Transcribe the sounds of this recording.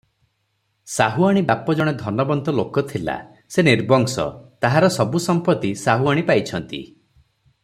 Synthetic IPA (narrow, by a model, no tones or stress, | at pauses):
saɦuaɽ̃ibapɔd͡ʒɔɽ̃ed̪ʱɔnɔbɔnt̪ɔlokɔt̪ʰila̰ | seniɾbɔŋsɔ̰t̪aɦaɾɔsɔbusɔmpɔt̪isaɦuaɽ̃ipajt͡ʃʰɔnt̪ḭ